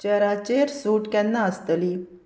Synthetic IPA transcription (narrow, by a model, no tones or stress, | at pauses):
t͡ɕɛɾat͡ɕeɾsuːʈkɛ̃nːãəst̪əli